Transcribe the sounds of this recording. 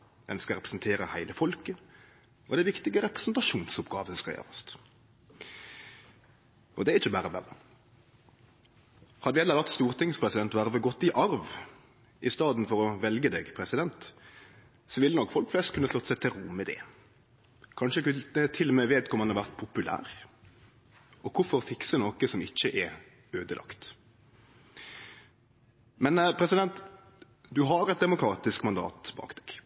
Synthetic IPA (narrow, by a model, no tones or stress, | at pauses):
d̪ɛnskɑɾɛpɾɛ̥sn̩t̪ʰeːɾəhæɪləfɔlkə | ʔɔd̪æɛʋɪkt̪ɪɡəɾɛpɾɛ̥sn̩t̪ɑʂuːnsʊpɡɑ̰ːʋəskɑljø̰ːɾəst̪ | ɔd̪ɛæɾɪçəbæːɾəʋæ̰ʁə | hɑd̪əʋɪɛlːəɾʋɑt̪st̪uːʁt̪ʰɪŋspʰɾɛsɪd̪ɛnt̪ʋæʁəʋəɡɔt̪ːɪʔɑɾʋ | ɪst̪ɑːd̪n̩fɔɾɔʋɛlɡəd̪eːɡpʰɾɛsɪd̪ɛnt̪ | sɔʋɪlnɔkːfɔlkflɛst̪kʉnːəslɔt̪ːsɛɪt̪ʰɪlɾʊmːəd̪ɛ̰ | kʰɑnʃəkt̪ʰɪlːɔmeːʋeːt̪kɔmhɑnɑʋæʁt̪̚pʰʊpʉlæ̰ːʁ | ɔkʰʊfɔʁfɪksənoːkəsɔmɪçːəʔɛ | øːd̪əlɑ̰kt̪ | mɛnpʰɾɛsɪd̪ɛnt̪ | d̪ʉɦɑɾɛt̪̚d̪ɛmʊkʰɾɑːt̪ɪskmɑnd̪ɑ̰ːt̪bɑ̰ːkd̪̥ɛːɡ̥